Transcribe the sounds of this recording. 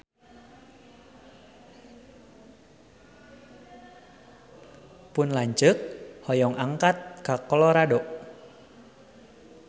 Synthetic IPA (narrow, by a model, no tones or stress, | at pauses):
pʊnlaɲt͡ʃək̚hɔjɔŋaŋkat̪̚kakɔlɔɾadɔʔ